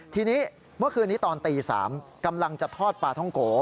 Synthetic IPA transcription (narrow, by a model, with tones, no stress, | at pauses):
t̪ʰiː˧niː˦˥ | mɯ˥˩ɐkʰɯː˧nːiː˦˥t̪ɔː˧nt̪iː˧sa̰ː˩˦mka˧mla˧ŋt͡ɕa˨˩t̪ʰɔː˥˩t̪̚paː˧˩t̪ʰɔ˥˩ŋkoː˩˦